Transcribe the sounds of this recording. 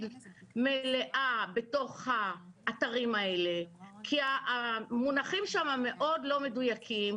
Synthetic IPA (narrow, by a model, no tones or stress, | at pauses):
lmeleʔabe̞to̞χhaːtaʁimaelekʰiamunaχimʃamame̞ʔo̞dlo̞me̞dujakʰim